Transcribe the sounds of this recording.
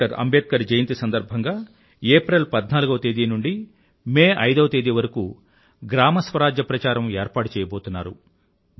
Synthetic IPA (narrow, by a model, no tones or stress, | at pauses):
ɐɾɐ̰mbeːt̪̚kɐɾd͡ʒɐjɐnt̪isɐnd̪ɐɾbʱɐŋɡaː | eːpɾelpɐd̪naːluɡɐʋɐt̪eːd̪inuɳɖi | meːʔɐjd̪ɐʋɐt̪eːd̪iʋɐɾɐku | ɡɾaːmɐsʋɐɾaːd͡ʒjɐpɾɐt͡ʃaːɾɐmeːɾpaːʈut͡ʃɛːjɐbo̞ːt̪unːaːɾu